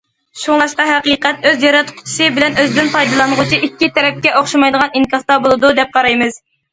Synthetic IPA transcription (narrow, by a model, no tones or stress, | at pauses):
ʃuŋlˠɑʃqɑɦɛqiːqɛt̪̚øzjɑɾɑt̪qʰt͡ʃʰsɨbɪlɛnøzd̪ɪnpʰɑjd̪ɨlˠɑnʁʊt͡ʃʰiʔikʲːit̪ʰɛɾɛp̚kʲɛʔoχʃɑmɑjd̪əʁɑniŋkʲɑst̪ɑbolˠɨd̪ud̪ɛp̚qʰɑɾɑjmɨz̥